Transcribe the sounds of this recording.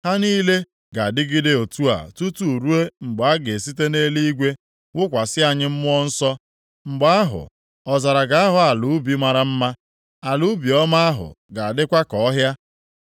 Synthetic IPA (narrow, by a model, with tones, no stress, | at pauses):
ha˦niː˦le˦ | ɡa˨a˨dɪ˦ɡɪ˦de˦o˨tu˦a̰˨tu˦tu˨ɾu˦e˦ŋ͡m̩˨ɡ͡ba˦ɡe˨si˦te˦ne˦li˦ɡʷe˦ | ŋʊ˦kʷa˨sɪ˦a˨ɲɪ˦m̩˦m˦ɔ˦n̩˦sɔ˦ | ŋ͡m̩˨ɡ͡ba˦a˦ɦʊ̰˨ | ɔ˨za˨ɾa˨ɡa˦a˦ɦʊ˨a˨lu˨˦bi˦ma˦ɾa˦m̩˦ma˦ | a˨lu˦bi˨ɔ˦ma˦a˦ɦʊ̰˨ɡa˨a˨dɪ˦kʷa˦kɔ˨˦ɦja˦